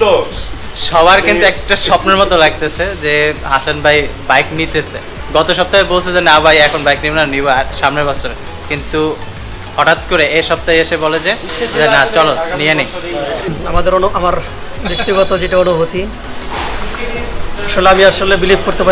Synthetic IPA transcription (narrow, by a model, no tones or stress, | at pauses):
ʃɔβaɾkint̪uɛk̚ʈaʃɔpneɾmɔt̪olaɡ̚t̪et͡ɕʰed͡ʑeɦasanbajbajknit̪esʰḛ | ɡɔt̪oʃ̬ɔb̚t̪aebolt͡ɕʰed͡ʑenabajɛkʰonbajknibonaniboaɾʃamnebɔsoɾe | kint̪u | hɔʈat̪koɾeeʃɔb̚t̪ajeʃebɔled͡ʑed͡ʑenat͡ɕɔlot̪nijenej | amad̪eɾonuʔamaɾ | bekt̪iɡɔt̪od͡ʑiʈaonoɦot̪i | ʃolabiaɾʃolːebilib̚kuɾt̪ʰepa